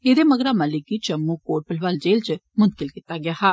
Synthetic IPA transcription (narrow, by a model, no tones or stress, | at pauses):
eːd̪eːməɡɾaːmalɪkiːt͡ʃəmːũːkoːʈ̚pəlʋaːld͡ʒeːlt͡ʃəmʊ̃nt̪̚kɪlkiːt̪aːɡɪjaːhaː